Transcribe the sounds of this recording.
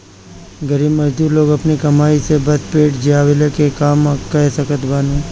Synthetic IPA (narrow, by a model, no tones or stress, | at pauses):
ɡəɾiːbmɐd͡ʒd̪uːɾloːɡɐpnikɐmaːisebɐspeːʈd͡ʒjaːʋelekekaːmkɐesɐkət̪baːnũː